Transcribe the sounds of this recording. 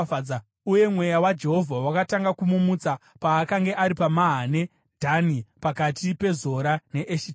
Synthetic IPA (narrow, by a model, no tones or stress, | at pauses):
a | uje̞mwe̞jawad͡ʒe̞ɦo̞vʱawakataŋɡakumumut͡sa | paːkaŋɡe̞ʔaɾipamaɦane̞ | dʱanipakatipe̞zo̞ɾane̞ʔeʃi